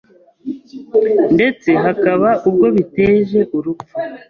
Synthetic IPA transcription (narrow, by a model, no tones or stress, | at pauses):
nde̞t͡se̞ɦakaβaub̚ɡo̞βite̞ːʒe̞ʔuɾufu